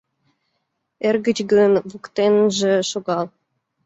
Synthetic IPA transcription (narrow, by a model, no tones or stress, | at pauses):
erɡə̆t͡ɕɡənβukt̪enʒĕʃoɣɑlˠ